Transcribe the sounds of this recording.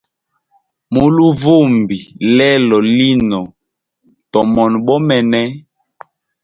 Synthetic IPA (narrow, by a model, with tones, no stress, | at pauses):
mo˨lu˦vo˦˨mbi˨lɛ˦lɔ˨li˦nɔ˨ | tɔ˨mɔ˨nɓɔ˦mɛ˨nɛ˦